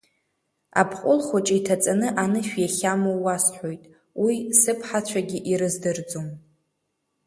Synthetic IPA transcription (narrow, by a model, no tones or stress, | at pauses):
a̰pʰqʷʼʊlχat͡ʃʼiitʰat͡sʼanɨʔanɨʃᶣjaχʲamowasħʷo̞jtʼ | wisɨpʰħat͡ɕʷʰaɡʲɪʔiɾɨzdɨrd͡zom